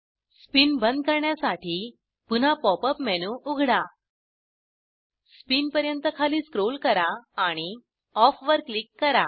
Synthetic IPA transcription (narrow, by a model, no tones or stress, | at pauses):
spinbənd̪̚kəɾɳjasaʈʰiː | pun̤apɔpəpmɛnuʔuɡʱɽa | spinpəɾjənt̪əkʰaliːskɾolkəɾaːɽ̃i | ɔfʋəɾklikːəɾa